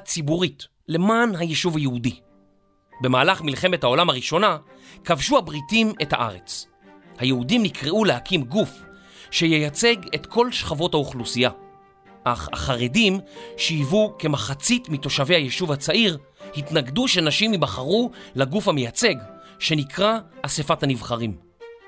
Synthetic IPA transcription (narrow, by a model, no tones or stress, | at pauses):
t͡sibuʁit | le̞maːnɦajeʃuvajeudi | be̞maːlaχmilχe̞me̞thao̞lamhaʁiʃo̞na | kavʃuhabʁitimethaʔa̰ʁet͡s | hajeudimnikʁeulehakimɡuf | ʃejejat͡se̞ɡetkʰo̞lʃχavo̞thauχlusija | ʔaχa̰χaʁedimʃiivuke̞maχat͡sitmito̞ʃavehajeʃuvhat͡saʔiʁ | hitnaɡduʃenaʃimibaχaʁulaɡufhamejat͡se̞ɡʃe̞nikʰʁaːsefathanivχaʁim